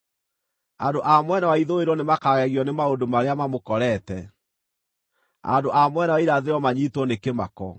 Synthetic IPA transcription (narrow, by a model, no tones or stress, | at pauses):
andoʔamwɛnawaiðoeɾɔnemakaɣɛɣiɔnemaondomaɾeamamokɔɾɛtɛ | a̰ndoʔamwɛnawaiɾaðeɾɔmaɲitwɔnekemakɔ